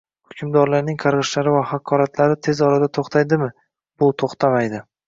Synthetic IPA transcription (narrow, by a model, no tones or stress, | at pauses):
hʊ̥kʲʰʊmd̪ɒɾlaɾnɪŋqʰɑɾʁɨʃlaɾɪvahakʰɒɾat̪ʰlaɾɪt̪ʰe̞zɒɾad̪at̪ʰoχt̪ʰajd̪ɪmɪ | b̥ʊt̪ʰoχt̪ʰamajd̪ɪ